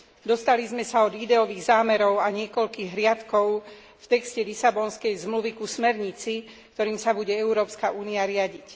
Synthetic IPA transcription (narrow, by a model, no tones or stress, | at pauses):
d̪ɔst̪alizmɛsaɔd̪id̪ɛɔʋiːɣzaːmɛɾɔʊaɲɪɛkɔʎkiɣɦɾɪat̪kɔʊ | ft̪ɛkscɛlisabɔnskɛjzmluʋikusmɛɾɲit͡si | kt̪ɔɾiːmsabuɟɛɛʊɾɔːpskaʔuːniaɾɪaɟic